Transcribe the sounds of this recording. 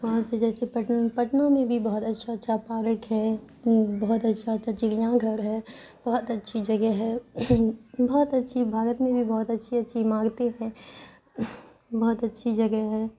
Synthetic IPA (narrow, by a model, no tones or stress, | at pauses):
ʋɐɦãsed͡ʒɛːsepɐʈnpɐʈnõmẽbʱibɔːt̪ɐtːʃʰatːʃʰapaːɾəkɦɛː | bɔːt̪ɐtːʃʰaɐtːʃʰat͡ʃɪljãɡʱɐɾɦɛːb̥ɔːt̪ɐtːʃʰid͡ʒɐɡɛɦɛː | bɔːt̪ɐtːʃʰibʱaːɾət̪mẽbʱibɔːt̪ɐtːʃʰiɐtːʃʰimãːɡt̪eɦɛ̃ː | bɔːt̪ɐtːʃʰid͡ʒɐɡɛɦɛː